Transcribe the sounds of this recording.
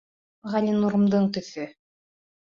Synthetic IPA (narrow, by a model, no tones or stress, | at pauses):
ʁɑlʲinuɾɤ̆md̪ɤɴt̪ɵ̆θɵ